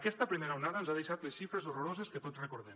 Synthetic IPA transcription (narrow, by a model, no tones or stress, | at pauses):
əkɛst̪əpɾimeɾaunaðənzaðeʃat̪lesʃifɾezoroɾozeskət̪ozrekoɾðɛm